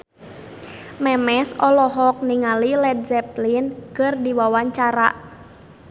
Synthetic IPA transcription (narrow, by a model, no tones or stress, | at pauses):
mɛmɛsɔlɔɦɔk̚niŋalilɛd̪̚zɛplinkɨrdiwawaɲt͡ʃaɾa̰ʔ